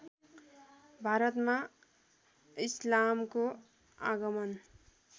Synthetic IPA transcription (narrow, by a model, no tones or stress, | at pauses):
bʱaɾʌt̪ma | islamko | a̰ɡʌmʌn